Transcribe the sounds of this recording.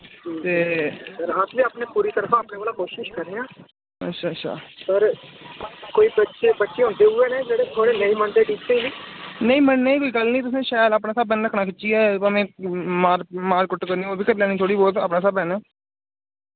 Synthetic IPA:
it̪eːəɾɦasʋiːaːpneːpuːɾiːt̪əɾfʰãːəːpneːʋaːlaːkoːʃɪʃkəɾeːãː | ə̰tːʃʰaːətːʃʰa̰ːpəɾ | koːiːbətːʃeːbətːʃeːɦʊ̃ːnd̪eːuːʋeːnɛ̃ːd͡ʒeːɽeːt̪ʰoːɽenəĩːməɳd̪eːʈiːkt̪eiːʋiːnəĩːməɳneːiːkoːiːkəlniːt̪ʊs̬ẽːʃaːəlaːpnãːsəːbənɾəkʰnaːkɪtːʃiːɛːmẽːmaːɾmaːɾkʊʈːkəɾniːoːbiːkəɾlɛːñiːt̪ʰoːɽiːboːt̪a̰ːpnaːsəbɛ̃ːnɛː

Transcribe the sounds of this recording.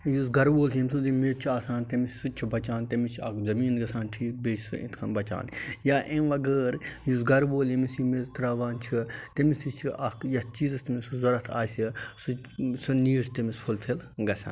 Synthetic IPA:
juzɡɐɾʋoːlsɐmʲsuzimeːzt͡ʃʰiaːsaːnt̪emissut͡ʃʰibɐt͡ʃaːnt̪emit͡ʃʰɐ̰kzɐmiːnɡɐsaːnʈʰiːk̚beːʃsṵḭt̪ʰkʰɐnbɐt͡ʃa̰ːnjaːʔẽʋɐɡəːɾjuzɡɐɾʋoːlemisimezt̪ɾaːʋaːnt͡ʃʰit̪emisit͡ʃʰiʔɐkjɐt͡ʃiːzɐst̪ɐmisuzɐɾɐt̪ʰa̰ːsisusɐniːɾst̪emispʰulpʰelɡɐsʲa̰ːn

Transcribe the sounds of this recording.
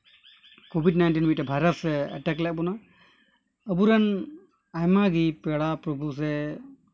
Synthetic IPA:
kobʱiɖnajnʈinmiʈbʱajɾət̪sɛə̰ʈɛklɛʔ̚bɔna | əbuɾan | ajmaɡipɛɽapɾɔbʱus̬ɛ

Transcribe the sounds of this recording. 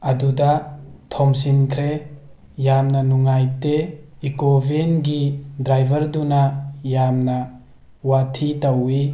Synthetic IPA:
ɐdudatʰɔms̬inkʰɾe | jamnɐnuŋajteikobʱenɡidɾajbʱɐɾdunajamnɐ | watʰitawi

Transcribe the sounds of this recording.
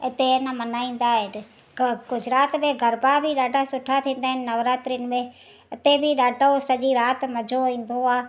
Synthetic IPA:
ɪt̪enəmɐnaːĩːn̆d̪aɦɪn | kʊd͡ʑʱɪɾaːt̪mẽɡʱɐɾbabʱiɗaːɖʱasʊʈʰat̪ʰĩːn̆d̪aːɦɪnɪnɐʋɾaːt̪ɾijʊnɪ̆mẽ | ɪt̪ebʱɪɗaːɖʱosɐʄiɾaːt̪mɐd͡ʑʱoĩːn̆d̪oaː

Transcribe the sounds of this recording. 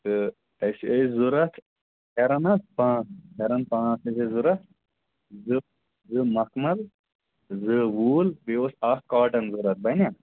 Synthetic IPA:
t̪ɨ | ɐsezuɾɐt̪ | hʲeɾɐnɐspãːt͡shʰɐɾɐnpãːsɐsezuɾɐt̪ | zɨ | zɨmɐkmɐl | zɨwuːlbiosɐhkaːʈɐnzuɾɐt̪̚bɐnʲa

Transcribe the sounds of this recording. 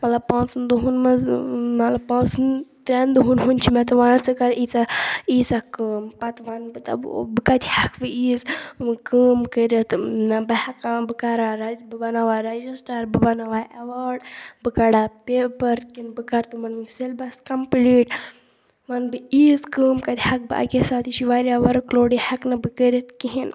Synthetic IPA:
mɐt̪lɐb̚pãːt͡sɨnd̪uɦunmɐzmɐlɐbpãːt͡sɨnt̪ɾʲend̪uɦunɦunt͡ʃʰimɛt̪ɨʋanat͡sɨkɐɾiːt͡saiːsakɨːmpɐt̪ʋanbɨt̪ɐ̰bɨkat̪ʲhakʰbɨiːzkəːmkəɾət̪nɐbɐhakabɨkaɾaɾɐbɨbɐnaʋaːɾed͡ʒisʈaɾbɨbɐnaʋaːʔeʋaːɾɖbɨkaɽapepɐɾkinbɨkaɾt̪ɨmɐnselbɐskɐmpliːʈ | ʋanbɨiːzkəːmkɐd̪ʲhɐk̚bɨʔa̰ɡʲesaːt̪iʃiʋaːɾjaːʋɐɾɨkloːɽihɐknɐbɨkəɾʲɐt̪kiɦin

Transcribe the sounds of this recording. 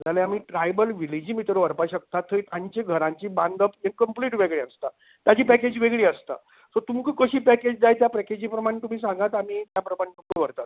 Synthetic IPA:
d͡zalẽamiːʈɾajbəlʋilid͡ʑiːmit̪ɾʋəɾpaɕək̚t̪at̪ʰːət̪ʰãɲt͡ɕeɡʱəɾãɲt͡ɕiːband̪əpjenkəmpliːʈʋeɡɭeəst̪a | t̪jad͡ʑiːpæked͡ʑʋeɡɭiːəst̪a̰ | sot̪umkəkəɕiːpæked͡ʑd͡zajt̪japɛked͡ʑiːpɾəmaɽ̃et̪um̤iːsãŋɡat̪am̤iːt̪japɾəmaɽ̃et̪umkəʋəɾt̪at̪̚

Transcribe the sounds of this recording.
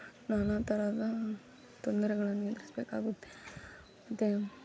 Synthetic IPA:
naːnaːt̪ɐɾaːd̪ɐ | t̪ond̪ɐɾɛɡɐɭɐnːed̪ɾisbeːka̰ːɡoːt̪ːe | ɐt̪ːe

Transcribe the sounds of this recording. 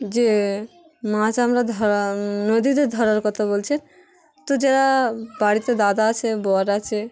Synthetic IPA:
d͡ʒe | mãt͡ʃamɾad̪ʱɔɾnod̪id̪ed̪ʱɔɾaɾkɔt̪ʰabolt͡ʃʰɛn | t̪ɔd͡ʒɛɾabaɽit̪ed̪ad̪aːt͡ʃʰebɔaɾat͡ʃʰe

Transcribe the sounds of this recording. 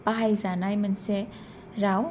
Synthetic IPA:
paɦajzanajmənse | ɾaw

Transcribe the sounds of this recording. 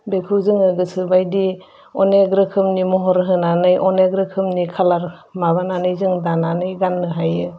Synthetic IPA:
bekʰɯwzɯŋɯɡɯsɯbajdi | ɔneɡɾɯkʰɯmnimɔɦɔɾɦɯnanɯjʔɔneɡɾɯkʰɯmnikʰalaɾ | maβananɯjzɯŋdananɯjɡanːɯɦajɯ

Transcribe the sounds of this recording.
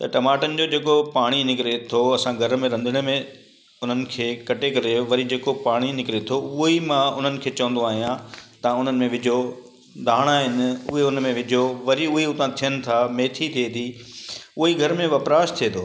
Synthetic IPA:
t̪ɐʈɐmaːʈənɪ̆d͡ʑoːd͡ʑeːkopaːɽ̃inɪkɪɾet̪ʰoɐsãɡʱɐɾmẽɾɐ̃nd̪ʱɪɽ̃mẽ | ʊn̤ənɪ̆kʰeːkɐʈekɐɾeʋɐɾid͡ʑeːkopaːɽ̃inɪkɪɾet̪ʰoʊɦimãʊn̤ənɪ̆kʰeːt͡ɕɐʋə̃n̆d̪oaːɦijãt̪ɐʊn̤ənɪ̆mẽʋɪd͡ʑʱo | d̪ʱaːɽ̃aːɦɪnɪ̆ʊɦeʊnmẽʋɪd͡ʑʱoʋɐɾiʊɦeʊt̪ãt̪ʰijənɪ̆t̪ʰameːt̪ʰit̪ʰiet̪ʰi | ʊɦiɡʱɐɾmẽʋɐpɾaːʃt̪ʰiet̪oː

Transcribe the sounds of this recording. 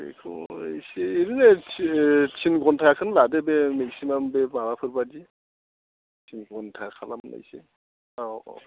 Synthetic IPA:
ḛkʰṵseeɾine | t͡ʃʰinɡɔntʰakʰɯnladebemɛksimambɛmawapʰɯɾbadi | t͡ʃʰinɡɔntʰakʰalamna̰jse | a̰

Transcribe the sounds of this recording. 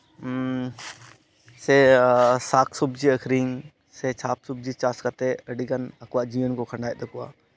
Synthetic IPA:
sesaːkʰsubd͡ʒiəkʰɾiŋ | set͡ʃʰaːp̚sub̚d͡ʒit͡ʃaːskat̪eəɖiɡənɐkuwaʔd͡ʒiənkokʰəɳɖaːjd̪əkua̰

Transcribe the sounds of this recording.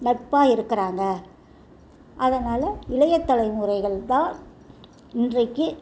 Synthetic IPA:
nɐʈ̚pːaːɪɾɯkːɐɾaːŋɡɐ | ʔɐðɐnaːlɐɪlɐjɐt̪ːɐlɐɪmuːɾɐɪɣɐɭt̪ãː | ɪndrɐɪkːɯ

